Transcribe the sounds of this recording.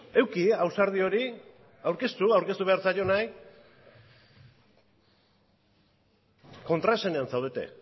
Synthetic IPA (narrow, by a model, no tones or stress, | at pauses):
e̞wkiawsaɾð̞io̞ɾi | awɾke̞st̪uawɾket̪uβe̞aɾt͡sajo̞naj | ko̞nt̪ɾaesene̞ansawð̞e̞t̪e̞̰